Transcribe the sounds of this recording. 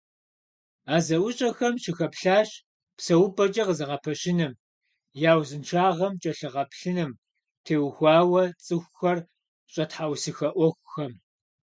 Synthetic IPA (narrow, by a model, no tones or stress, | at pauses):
aːzɐwʊɕʼɐxɐmʃɪxɐpɬaːɕ | psɐwʊpʼɐt͡ʃʼɐqəzɨʁɐpʰɐɕɪnɨm | jaːwzɨnʈ͡ʂʰaːʁɐmt͡ʃʼɐɬɨʁɐpɬɨnɨm | tʰeːwxʷɑːwɐt͡sʼɨxʷxɐr | ɕʼɐtħawsɨxɐʔʷɔxʷʊxɐm